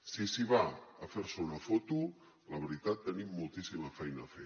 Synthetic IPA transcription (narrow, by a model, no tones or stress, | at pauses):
sisiβaːfeɾsounafot̪u | laβeɾit̪at̪ːənimːulˠt̪isimafɛjnaːfe